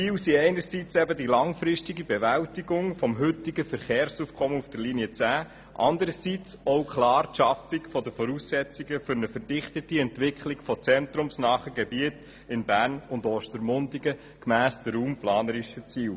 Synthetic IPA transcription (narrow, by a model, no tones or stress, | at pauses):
fiːwsiɛɪnəɾsit͡sɛbədilɑŋfɾɪstiɡibɛʋæwtiɡʊŋfɔmɦɵtiɡəfəɾχeːɾsufkʰɔməufd̥əɾliniət͡sæː | ʔɑ̰nd̪əɾəsit͡sɔʊkʰχlɑːɾʃɑfikfɔdəfɔɾusːɛt͡siɡəfʏɾnəfəɾdɪχt̪ətiɛntʋɪkʰχliɡfɔt͡sɛnt̪ɾʊmsnɑːχəɡɛbiət | ɪnbæːɾnʊndɔːʃtəɾmʊndiɡə | kmæːsd̪̥əruːmplɑːnəɾiʃət͡siːw